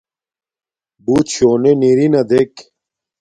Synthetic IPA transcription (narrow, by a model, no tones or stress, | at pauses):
but͡ɕʰoːneniɾinɐd̪ek